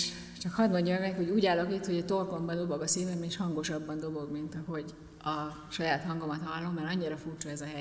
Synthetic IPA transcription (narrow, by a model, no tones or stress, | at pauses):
ʃ | t͡ʃɒkhɒd̪mo̞ɲɟːɔmɛmɛkhoɟuːɟaːlo̞kit̪ho̞ɟɒt̪o̞rko̞mbɒd̪o̞bo̞ɡɒseːvɛmeːʃhɒŋɡo̞ʃɒbːɒnd̪o̞bo̞ɡmint̪ɒɦo̞ɟ | ɒ | ʃɒjaːt̪hɒŋɡomɒt̪hɒlːomːɛɾɒɲːiɾɒfuːrt͡ʃɒɛzɒɦɛ